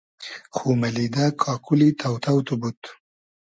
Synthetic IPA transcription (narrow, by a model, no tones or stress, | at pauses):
xumalid̪akʰɑːkulit̪ʰawt̪ʰawt̪ubut̪